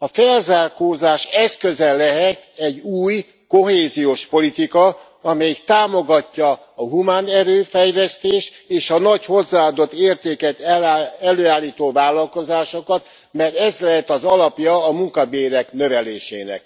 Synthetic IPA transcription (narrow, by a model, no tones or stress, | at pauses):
ɒfɛlzaːrkoːzaːʃɛskøzɛlːɛɦɛt̪ɛɟːuːj | koɦeːzijoːʃpo̞lit̪ikɒ | ɒmɛjikt̪aːmo̞ɡɒcːɒː | ɦumaːnɛɾøːfɛjlɛst̪eːʃt̪ | eːʃɒnɒcho̞zːaːɒd̪o̞t̪ːeːrt̪eːkɛt̪ɛløːaːlːiːt̪oːvaːlːɒlko̞zaːʃo̞kɒt̪ | mɛrt̪ɛzlɛɦɛt̪ɒzɒlɒpjɒːmuŋkɒbeːɾɛknø̞vɛleːʃḛːnɛ̰k̚